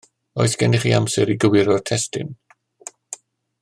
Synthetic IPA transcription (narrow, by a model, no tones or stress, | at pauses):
ɔɨθɡ̥ɛnɪχiamsɛɾiɡəwɪɾɔrtʰɛstɪ̰n